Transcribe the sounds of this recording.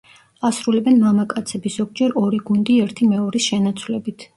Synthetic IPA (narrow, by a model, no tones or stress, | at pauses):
asɾulɛbɛnmamakʼat̪sʰɛbiszɔɡ̚d͡ʒɛɾɔɾiɡund̪iɛɾt̪ʰimɛɔɾisʃɛnat̪sʰwlɛbit̪ʰ